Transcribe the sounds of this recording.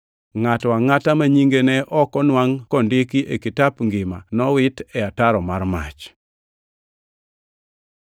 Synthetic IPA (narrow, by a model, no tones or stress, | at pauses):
ŋatwaŋatamaɲiŋɡenɛʔɔkɔnwaŋkɔndekiʔekitapŋɡɪmanɔwɪtɛataɾɔmaɾma̰t͡ʃ